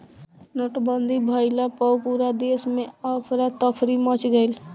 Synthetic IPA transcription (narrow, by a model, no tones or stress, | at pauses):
noʈbənd̪ʱibʱəɪlapɔwpuɾad̪esmeəpʰɾat̪əpʰɾimət͡ʃɡəɪl